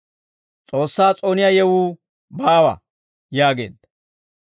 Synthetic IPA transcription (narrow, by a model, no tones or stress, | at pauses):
t͡sʼo̞ːsːaːt͡sʼo̞ːnɪjajɛwuː | baːwɐ̰ | jaːɡḛːd̪ɐ